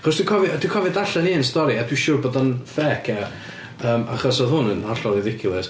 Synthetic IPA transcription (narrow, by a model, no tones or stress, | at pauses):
aχɔsd̥wɪkʰɔvɨd̥wikʰɔvɨdaɬɛniənstɔɾiadwiʃʊːrboːdanfɛːkʰɛ | əːma̰χɔsɔðhʊnənaɬɔlˠiðɪkʰɪlˠɛs